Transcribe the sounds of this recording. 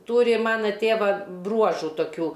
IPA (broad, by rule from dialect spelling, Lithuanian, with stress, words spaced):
ˈtuːrʲɪ ˈmɑːnɐ ˈtʲeːʋɐ ˈbruɔʒʊ toːˈkʲuː